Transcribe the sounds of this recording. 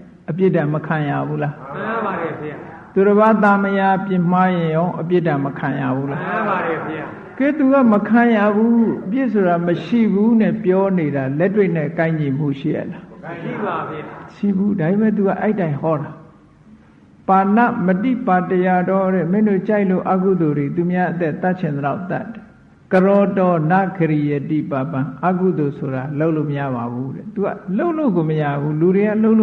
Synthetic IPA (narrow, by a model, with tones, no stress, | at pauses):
ʔəpjɪ˦˨dã˨məkʰã˨ja̰˦˨bu˦la˦˨ | t̪o˨ɾə˨ba˦˨t̪̬a˦məja˦pjɪ̃˨m̥a˦jɪ̃˨jɔ̃˦ʊ̃ʔəp̬jɪ˦ʔdã˨məkʰã˨ja˨bu˦la˦˨ | kɛ˦˨t̪u˨ɣa˦˨məkʰã˨ja˦˨bu˦hu˦ʔəpjɪ˦ʔso˨ɾa˨məʃḭ˦˨bu˦nɛ˦˨pjɔ˦ne˨ɾa˨lɛ˦twe˦˨n̥ɛ˦˨kã˦ɪ̃ɲi˨mṵ˦˨ʃḭ˦˨ʔɛ̰˨ʔla˨˦ | ʃḭ˦˨bu˦da˨be˨mɛ˦˨t̪̬u˨ɡa̰˦ʔɛ̰˦ɪtːã˨ɪ̃hɔ˦ɾa˨ | pa˨na̰˦˨mətḭ˦˨pa˨təja˨dɔ˦ɾɛ˦˨mɪ̃˦˨ndo˦˨t͡ɕa˦ɪʔlo̰˦˨ʔa˦ku˦˨d̪o˨de˨t̪u˨mja˦ʔət̪ɛ˦ʔt̪a˦ʔt͡ɕʰɪ̃˨nd̪əla˦ʊt̪a̰˦˨tːɛ̥˨ | kəɾɔ˨tɔ˨na̰˦˨kʰəɾi˨jɛ˨tḭ˦˨pa˨pã˨ʔa˦ku˦˨d̪o˨sʰo˨ɾa˨lo˦ʊʔlo˦˨məja̰˦˨ba˨βu˦ɾɛ̰˦˨t̪u˨ɡa̰˦˨lo˦ʊʔlo̰˦˨ɡo˨məja˦˨bu˦lu˨ɾe˨a̰˦˨lo˦ʊ̃lo˦˨